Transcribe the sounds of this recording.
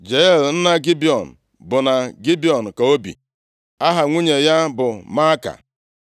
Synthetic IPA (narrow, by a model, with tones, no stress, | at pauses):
d͡ʒe˨˦e˦˨ln̩˦na˦ɡi˦bi˨ɔ˨n̩˨ | bʊ˨na˨ɡi˦bi˦ɔ˨n̩˨ka˨o˦bḭ˨ | a˦ɦa˨ŋʷu˦ɲe˨ja˦bʊ˨ma˦ka̰˨